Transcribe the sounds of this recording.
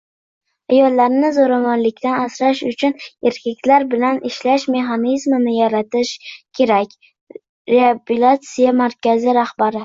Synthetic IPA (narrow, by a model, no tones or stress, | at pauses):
ajɒlːaɾnɪzoɾamɒnlɪkʲt̪anasɾaʃʊt͡ʃʰʊneɾkʲʰak̪̚ʲlaɾbɪlanɪʃlaʃme̞χanizmɪnɪjaɾat̪ɪʃkʲʰe̞ɾakʲ | ɾeabulat̪sɪjamaɾkʲazɪɾahbaɾɪ